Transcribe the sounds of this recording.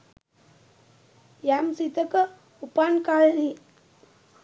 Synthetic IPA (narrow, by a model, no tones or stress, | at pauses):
jamsit̪əkə | upankaɭni